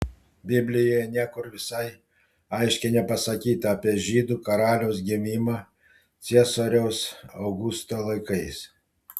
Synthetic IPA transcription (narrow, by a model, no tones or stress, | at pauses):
bʲɪbʲlʲɪjoːjɛnʲiɛkʊɾʋʲɪsɐɪ | ɐɪʃʲkʲɛnʲɛpɐsɐkʲiːt̪ɐːpʲiɛʒʲiːd̪uːkɐɾɑːlʲɛʊsɡʲɪmʲiːmɑ | t̪sʲiɛsoːɾʲɛʊsɐʊɡʊst̪oːlˠɐɪkɐɪs